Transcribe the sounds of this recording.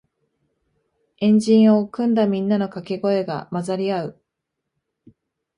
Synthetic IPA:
ẽ̞ɲ̟d͡ʑĩɰ̃o̞kɯ̟̃nd̪amʲĩnːano̞kakeɡo̞e̞ɡa̰mazaɾʲiaɯ̟

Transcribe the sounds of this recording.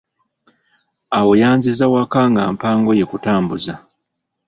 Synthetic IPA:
awo̞jaːnzizawakaŋɡa̰ːmpaːŋɡo̞je̞kutaːmbuza

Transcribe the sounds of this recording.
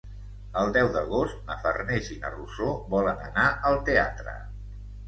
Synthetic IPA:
əlˠd̪ɛwd̪əɣost̪nəfə̰rnezinə̰rusoβɔlənənaʔəlˠt̪ea̰t̪ɾə̰

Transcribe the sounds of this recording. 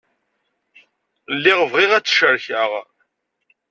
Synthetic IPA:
lːiʁəvʁiʁæt͡sːʃəɾçəʁ

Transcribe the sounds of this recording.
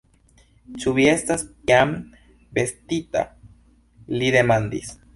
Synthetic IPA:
t͡ʃuβjest̪aspjam | best̪it̪a̰ | liðemand̪ḭs

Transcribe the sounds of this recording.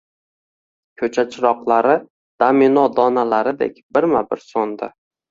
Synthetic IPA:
kʲʰɵt͡ʃʰat͡ʃʰɪɾɒqlˠaɾɪ | d̪̥aminɒd̪ɒnalaɾɪd̪ḛkʲbɪɾmabɪɾsɒnd̪ɪ̰

